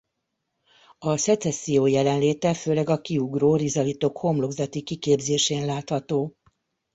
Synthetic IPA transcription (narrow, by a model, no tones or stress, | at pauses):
ɒsɛt̪sɛsːijoːjɛlɛnleːt̪ɛføːlɛɡɒkiuɡroːrizɒlit̪okho̞mlo̞ɡzɒt̪ikikeːbzeːʃeːnlaːt̪hɒt̪oː